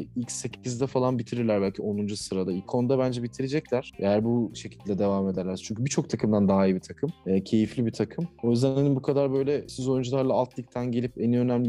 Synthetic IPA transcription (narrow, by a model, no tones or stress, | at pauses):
icsːe̞cʰizd̪ɛfalˠanbit̪ʰiɾiɾlʲæɾbælʲcʰio̞nund͡ʒusɯɾad̪ailkʰo̞nd̪abænd͡ʒɛbit̪ʰiɾed͡ʒɛclʲæɾ̥ejæɾbuʃe̞cʰild̪ʲɛd̪e̞vaːme̞d̪æɾlʲæɾt͡ʃʰyɲcʰybit͡ʃʰo̞k̚t̪ʰakʰɯmd̪and̪aɦajibit̪ʰakʰɯmɛːcʰe̞jiflʲibit̪ʰakʰɯmojyzd̪ænhanimbukʰad̪aɾbø̞jlʲɛsizo̞jund͡ʒulˠaɾlˠaːlˠt̪ʰlˠɯk̚t̪ʰænɟelʲipeniø̞næmlʲi